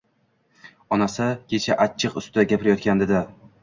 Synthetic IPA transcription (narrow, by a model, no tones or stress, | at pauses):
ɒnasakʲʰe̞t͡ʃʰaʔat͡ʃʰːɨqʊ̰st̪ɪd̪aɡʲapɪɾajɒt̪̚kʲand̪ed̪ɪ